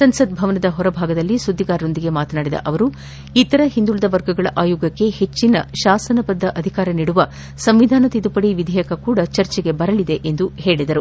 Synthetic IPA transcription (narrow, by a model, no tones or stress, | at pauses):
sɐnsɐd̪bʱɐʋɐnɐd̪ɐɦɔɾɐbʱaːɡɐd̪ɐlːisud̪ːiɡaːɾːo̞nd̪iɡe̞maːt̪ɐnaːɽid̪ɐ̰ʔɐʋɐɾu | it̪ɐɾɐɦind̪uɭɐd̪ɐʋɐɾɡɐɡɐɭɐʔaːjuːɡɐkːe̞het͡ʃːinɐʃaːsɐnɐbɐd̪ʱːɐʔɐd̪ʱikaːɾɐniːɽuʋɐ | sɐmʋid̪ʱaːnɐt̪id̪upɐɽiʋid̪ʱɛjɐkɐkuːɽɐt͡ʃɐɾt͡ʃeɡe̞bɐɾɐlid̪e̞ʔend̪uhe̞ːɭid̪ɐɾu